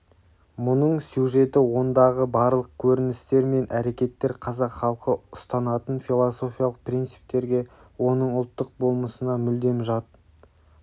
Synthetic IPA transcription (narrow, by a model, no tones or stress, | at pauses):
mʊnəɴsjuʒe̞t̪ɪwo̞nd̪ɑʁəbɑɾlˠəq̚kʲʰɵɾɪnɪst̪e̞ɾme̞nʔæɾe̞kʲe̞t̪ːe̞ɾqʰɑzɑqχɑlˠqəʊst̪ɑnɑt̪ənfʲilˠoso̞fʲijɑlˠəq̚pɾijnt̪sɨ̥p̚t̪e̞ɾɡʲe̞ | wo̞nəɴʊlˠt̪ːəq̚bo̞lˠməsənɑmʏld̪e̞mʒɑt̪ə